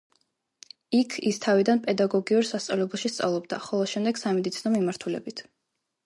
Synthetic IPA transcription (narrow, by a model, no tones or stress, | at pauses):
ikʰist̪ʰavid̪anpʼɛd̪aɡɔɡiuɾsast̪sʼavlɛbulˠʃist̪sʼa̰vlˠɔbd̪aχɔlˠɔʃɛmd̪ɛɡ̥samɛd̪it̪sʰinɔmimaɾt̪ʰulɛ̰bit̪ʰ